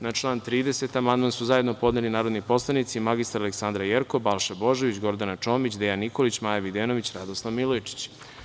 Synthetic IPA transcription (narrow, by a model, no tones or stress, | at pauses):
nat͡ʃlˠaːnt̪ɾiːd̪e̞se̞t̪amand̪mansuzaje̞d̪no̞po̞d̪nelinaːɾod̪nipo̞slˠanit̪simaɡist̪aɾaleksand̪ɾajeɾko̞balˠʃabo̞ʒeʋit͡ɕɡo̞ɾd̪anat͡ʂo̞ːmit͡ɕd̪ejanːiko̞lit͡ɕmaːjaʋid̪eno̞ʋit͡ɕɾad̪oslˠaʋmilˠojt͡ʃi̥t͡ɕ